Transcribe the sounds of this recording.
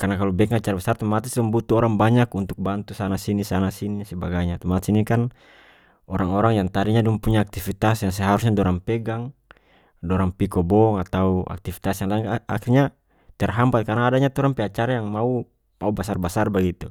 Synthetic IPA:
karnakalɔbɛkŋat͡ʃaɾabasart̪ɔmat̪isduŋbut̪uɔɾaŋbaɲakunt̪uk̚bant̪usanasinisanasinisɛbaɡaɲat̪ɔmat̪u̥sinikan | ɔɾaŋɔɾaŋjaŋt̪aɾiɲaduŋpuɲaːk̚t̪ifit̪asjaŋs̬ɛɦaɾus̬ɲadɔɾaŋpɛɡaŋ | dɔɾaŋpikɔbɔŋat̪aua̰k̚t̪ifi̥t̪asjaŋlaiŋa̰kirɲa | t̪iarɦampat̪̚karnaːdaɲat̪ɔɾaŋpɛat͡ʃaɾajaŋmau | maubasarbasarbaɡit̪u

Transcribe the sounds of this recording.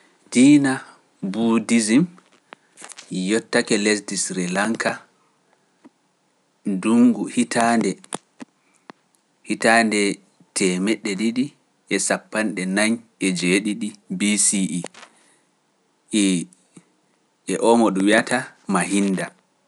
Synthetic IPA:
d̥iːna | budizim | jɔtːakɛlɛs̬disɾilaŋka | duŋɡuhitʰandɛ | hitandɛ | tʰɛmɛɗːɛɗiɗi | ɛsapːanɗɛnaɲɛd͡ʒeɗiɗibisiʔi | ɛʔɔmɔɗuwiatamaɦinda

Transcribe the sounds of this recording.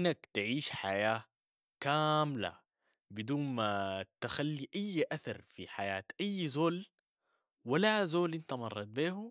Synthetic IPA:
nːakt̪ʕiːʃħajaː | kaːmla̰ | bɪd̪uːnmat̪axalːiʔajːʔaθɑɾˤfiħajaːt̪ʔajːzoːl | walazoːlʔint̪amɑrˤːɑt̪̚beːhu

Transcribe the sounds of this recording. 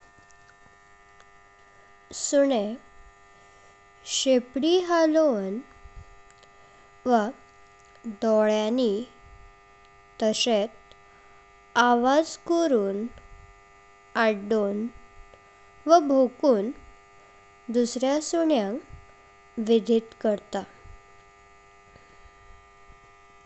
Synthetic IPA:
suɳe | ɕepɽiɦalon | ʋə | d̪ɔɭjani | t̪əset̪ | aʋad͡zkəɾuːn | aɖon | ʋəbʱokuːn | d̪usɾjasuɳjãŋk | ʋid̪ʱit̪kəɾt̪a

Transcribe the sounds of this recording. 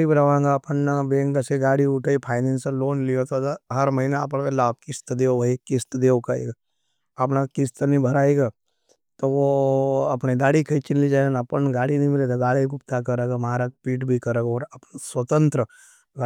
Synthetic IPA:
ibɾəʋãːŋɡaɐpənːabẽːŋɡaseɡaːɽiʊʈʰaipʰaːɪnẽːnsəloːnlijot̪od̪ɦɐɾmɐɦinaɐpəɽkelaːb̚kɪst̪d̪eːoʋɐikɪst̪d̪eːokaḛɡa | ɐpnakɪst̪nĩbʱɐɾaːeɡaː | t̪oʋoɐpned̪aːɽikʰɐit͡ʃɪnlid͡ʒaenɐpənɡaːɽinĩmɪlet̪oɡaːɽik̬ʊp̚t̪akɐɾeːɡamaːɾak̚piːʈbʱikɐɾeːɡɔːɾɐpnswɐt̪ə̃nt̪ɾə | ɡa

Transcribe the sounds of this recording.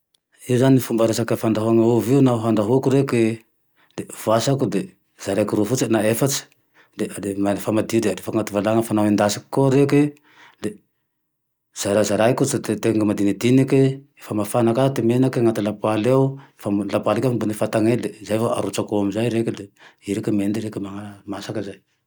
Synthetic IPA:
iuzaninifumbaɾesakəfand̪aɦuaŋauviunaɦand̪aɦukuɾeke | d̪evasakud̪e | z̥aɾajkuɾufut͡sinaefat͡si̥ | d̪edemafamad̪id̪eaɾefaŋat̪uvalaŋəfanawind̪asi̥ki̥kːoɾeke | le | z̥aɾazaɾajkut͡sad̪et̪eŋɡəmad̪inid̪inikeefəmafanakat̪imenakeŋat̪ilapalawefalapalikaambunifat̪aŋed̪ezajfaa̰ɾut͡ʃakoamizajɾeked̪eiɾekəmend̪iɾekəmaamasakəzaj

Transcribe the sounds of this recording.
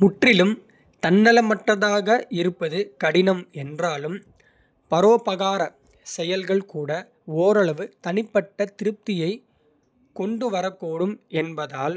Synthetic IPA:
mʊʈrɪlɯm | t̪ɐnːɐlɐmɐʈːɐðaːɣɐɪɾɯpːɐðɯkɐɽɪnɐmɛndraːlɯm | pɐɾoːpɐɣaːɾɐ | sɛjɐlɣɐɭkuːɽɐ | oːɾɐɭɐʋɯt̪ɐnɪpːɐʈːɐt̪ɪɾɯp̚t̪ɪjɐɪ | kɔɳɖɯʋɐɾɐkːoːɽɯmɛnbɐðaːl

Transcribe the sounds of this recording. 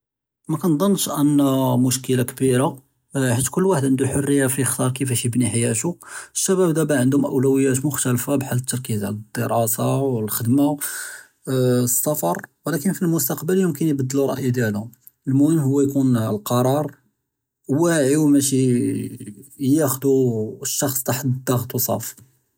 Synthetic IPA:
mækænd̪ˤɑnːʃʔænːæmʊʃkəlakbiɾa | ħat̪ːkʊlːwaħəd̪ʕənd̪uħorːəjːafixt̪ɑɾˤkəfæʃjəbniħajæt̪uʃːæbæbd̪æbæʕənd̪ʊmʔə̰wlæwəjːæt̪mʊxt̪ælfabħalːət̪ːɑɾˤkizʕləd̪ːəɾˤɑsawəlxəd̪ma | əsːɑfɑɾˤwlækənfilmʊst̪ɑqbəljəmkənjbəd̪ːəluɾˤɑ̰ʔjid̪jælm | əlmʊhəmɦʊwːæjkunlqɑɾˤɑɾˤ | wæʕiwmæʃi | jæxd̪uʃːɑxsˤt̪aħəd̪d̪ːɑɣt̪wsˤɑ̰f

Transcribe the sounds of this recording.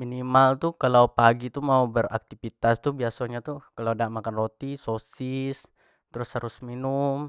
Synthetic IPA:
minimalt̪ukalawpaɡit̪umaubəra̰k̚t̪ifit̪ast̪ubiasaɲat̪ukaladaʔmakanrot̪isosɪs | t̪əɾʊshaɾʊsminʊm

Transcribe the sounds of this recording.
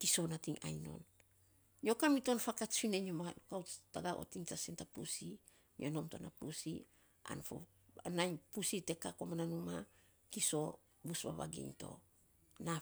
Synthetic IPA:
kiso̞natiŋʔa̰jno̞̰n | ɲio̞kamito̞nfakat͡ʃfineɲomaukawtaɡaʔo̰tiŋtasintapusi | ɲʔono̞mtonapusi | a̰nfo̰ | anajɲpusite̞kakomananuma | kiso̞ | busba̰βa̰ɡḭŋto̞̰ | na

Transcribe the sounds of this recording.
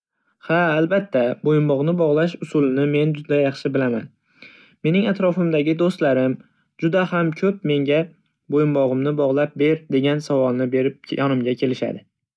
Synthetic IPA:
haːlbat̪ʰːabojɪmbɒʁnɪbɒʁlˠaʃʊsʊlˠɪnɪme̞nd͡ʒʊd̪ajɑχʃɪbɪlaman | me̞nɪŋat̪ɾɒfɪmd̪aɡʲɪd̪ost̪laɾɪm | d͡ʒʊd̪ahamkʲʰɵpme̞ŋɡʲa | bojɪmbɒʁɨmnɪbɒʁlˠap̚be̞ɾd̪e̞ɡʲansavɒlˠnɪbe̞ɾɪp̚jʔɒnɪmɡʲakʲʰe̞lɪʃa̰d̪ɪ

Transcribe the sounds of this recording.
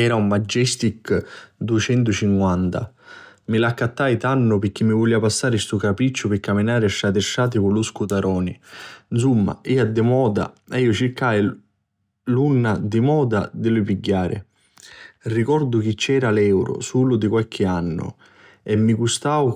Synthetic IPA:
ɛːɾaumːad͡ʒːɛst̪ikd̪uɪt͡ʃɛnt̪ʊt͡ʃiŋkwant̪a̰milakːat̪ːajt̪anːʊpɪɾk̟ːimːivuliːapasːaːɾɪst̪ukapɾit͡ʃːʊpɪkːaminaːɾɪaʃːat̪ɪʃːaːt̪̬ɪkʊluskut̪aɾɔːninsumːa̰iːad̪ːɪmɔːd̪a̰iːʊt͡ʃɪkːaj | lunːad̪ɪmɔːd̪a̰d̪ɪlʊpiɟːaːɾɪ̰ | rikɔɾd̪ʊk̟it͡ʃːɛːɾalɛwɾʊ̰suːlʊd̪ɪkwalk̟ʰɪanːʊ̰ | ɛmːiɡust̪aːw

